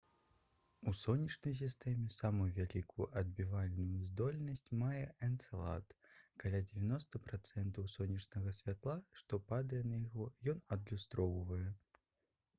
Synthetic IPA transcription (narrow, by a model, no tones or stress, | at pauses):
usɔnʲːɐt͡ʂnɐjs̬ʲist̪ɛmʲɛsamujuvʲalʲikujuʔɐd̪̚bʲivalʲnujuzd̪ɔlʲnɐsʲt͡sʲmajɛɛnt̪sɛlˠa̰t̪kalʲad͡zʲɪvʲanɔst̪ɐpɾat̪sɛnt̪ɐwsɔnʲːɐt͡ʂnɐɣɐsʲvʲat̪lˠaʂt̪ɔpad̪ɐjɛnɐjaɣɔjɔnɐd̪lʲust̪ɾɔwvɐjɛ